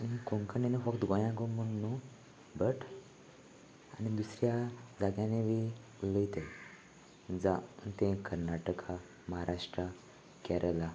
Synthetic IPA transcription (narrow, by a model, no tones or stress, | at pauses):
anikoŋkənenefəkt̪ɡõjãɡomunːu | bəʈ | a̰nid̪usɾjad͡zaɡjãneʋi | ləjit̪e | d͡zant̪ẽkəɾnaʈəkʰa | məɦaɾʔaʂʈɾə | kɛɾʔəla